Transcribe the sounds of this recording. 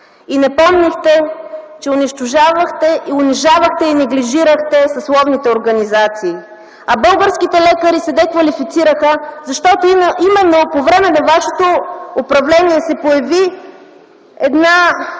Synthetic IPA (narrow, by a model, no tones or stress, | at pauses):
inɛpɔmnixt̪ɛt͡ʃɛʊniʃt̪ʊʒavəxt̪ɛʔiʊniʒavəxt̪ɛinɛɡliʒiɾəxt̪ɛsɐslˠɔvnit̪ɛoɾɡɐnizat̪siː | ɐbɤlˠɡəɾsk̟it̪ɛlɛkəɾisɛd̪ɛkvɐlifit̪siɾəxəzɐʃt̪ɔt̪oimɛnːopovɾɛmɛnɐvaʃɛ̥t̪oʊpɾɐvlɛniɛsɛpojɐvi | ɛd̪na